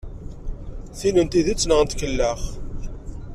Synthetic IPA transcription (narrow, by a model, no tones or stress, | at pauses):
θinənt̪iðit͡sːnəʁənt̪kəlːəχ